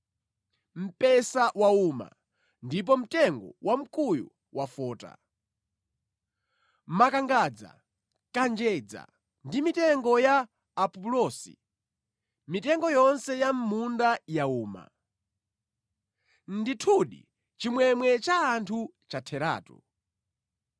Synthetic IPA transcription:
m̩pɛsawauma̰ | ndip̬ɔm̩tɛŋɡɔwʔam̩kʼujṵ | wafɔːta̰ | makaŋɡad͡za̰ | kand͡ʒɛd͡za̰ | ndimitɛŋɡɔjaː | pɔpulɔsḭ | mitɛŋɡɔjɔnsɛjam̩mundajauːma̰ | nditʰuɗḭ | t͡ʃimwɛmwɛt͡ʃaːntʰu | t͡ʃatʰɛɾa̰ːtṵ

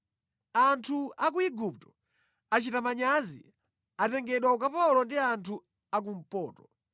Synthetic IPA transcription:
antʰuakuiɡup̚tɔ̥ | at͡ʃitamaɲazḭ | atɛŋɡɛɗwaukapalɔndiantʰu | ak̬um̩pɔːtɔ

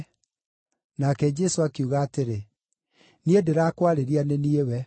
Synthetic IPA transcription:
nakɛd͡ʒɛsoakiuɣaːteɾe | niedeɾaːkwaɾeɾianeniewɛ

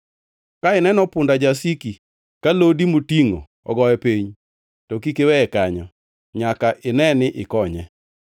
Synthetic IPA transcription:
kaɪnɛnɔpʊndad͡ʒasiki | kalodimotiŋo̰ | ɔ̰ɡɔjɛpeɲ | tɔkikewɛɛkaɲɔ | ɲakaʔɪnɛnɪʔɪkɔɲɛ

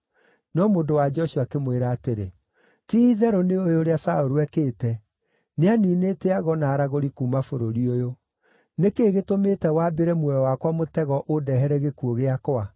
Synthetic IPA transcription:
nɔmoːndowad͡ʒɔʃuakemweɾaːteɾe | tiðɛɾoneojoɾeasaoɾuwɛkeːtɛ | neaniːneteaɣɔnaːɾaɣoɾikuːmafoɾoɾiojo | nekeːɣetometɛwaːbeɾɛmwɛɔwakwamotɛɣɔʔodɛɦɛɾɛɣekuoɣeakwa

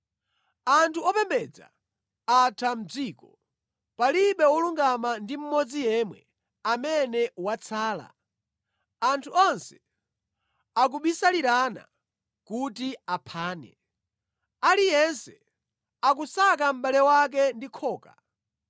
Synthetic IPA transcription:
antʰuɔpɛmbɛd͡za̰ | atʰam̩d͡ziːkɔ | paliɓɛwɔluŋɡamandim̩mɔd͡zijɛmwɛ̰ | amɛnɛwat͡sʰaːla̰ | antʰuɔnsɛ̥ | ak̬uɓisaliɾana̰ | kutiapʰaːnɛ̰ | alijɛnsɛ | ak̬usak̬am̩ɓalɛwak̬ɛndikʰɔːka

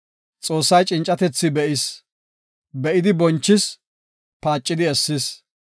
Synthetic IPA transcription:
t͡sʼoːsːɐjt͡ʃʼɪnt͡ʃʼɐt̪ɛt͡sːɪbɛʔɪs | bɛʔɪd̪ɪbɔnt͡ʃːɪs | paːt͡ʃʼːɪd̪ɪɛsːɪs

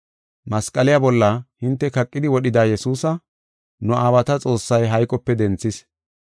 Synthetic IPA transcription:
mɐskʼɐlɪjabɔlːɐhɪnt̪ːɛkɐkʼːɪd̪ɪwɔɗɪd̪aːjɛsuːsɐ | nʊʔaːbɐt̪ɐt͡sʼo̞ːsːɐjɦɐjkʼɔpːɛd̪ɛnt͡sːɪs

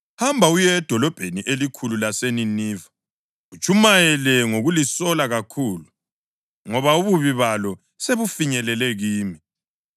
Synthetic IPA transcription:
hambʱaujɛd̥ʱɔlɔb̥ʱeniʔelikʰululaseniniːva | ut͡ʃʼʰumajɛlɛŋoɣulisɔlaɣakʰuːlu | ŋɔβauβuβiβalɔ | seβufiɲɛlɛlɛɣiːmi

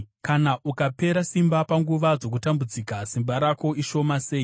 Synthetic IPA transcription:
kanaʔukape̞ɾasimbapaŋɡuʋad͡zo̞k̬utambud͡zikasimbaɾako̞iʃo̞mase̞ːi

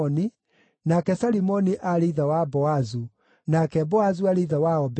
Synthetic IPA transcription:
ɔni | nakɛsaɾimɔniʔaɾiðawabɔazu | nakɛbɔazuaɾeðawaɔb

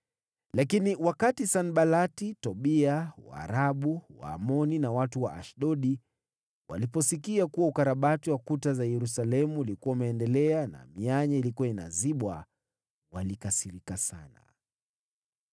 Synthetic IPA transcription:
lakiniwakatisanɓalatitɔɓiawa̰ːɾaɓuwa̰ːmɔninawatuwaʔaʃɗɔɗi | wa̰lipɔsikiakuwaukaɾaɓatiwakutazajɛɾusalɛmuːlikuwaumɛːndɛlɛana̰miaɲailikuaina̰ziɓwa | walikasiɾikasana̰

